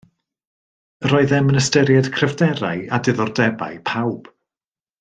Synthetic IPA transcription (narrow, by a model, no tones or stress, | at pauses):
əɾɔɨðɛmənəstɛɾjad̥kʰrɛvdɛɾa̰jadɪðɔrdɛba̰ɨpʰawb̥